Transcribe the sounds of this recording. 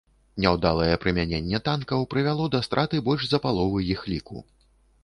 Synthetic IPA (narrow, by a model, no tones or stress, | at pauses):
nʲɛwd̪alˠɐjɛpɾɨmʲanʲenʲːɛt̪ankɐwpɾɨvʲalˠɔd̪ɐst̪ɾʔat̪ɨbɔlʲʐzɐpalˠɔvɨjixlʲikṵ